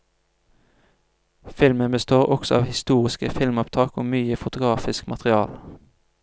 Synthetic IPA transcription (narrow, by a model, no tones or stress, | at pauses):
fɪlmənbəst̪oːʁʔɔksɔɑːʋhɪst̪uːʁɪskəfɪlmʊpt̪ʰɑːkoːmyːəfʊt̪ʊɡʁɑːfɪskmɑt̪ʁɪɑːl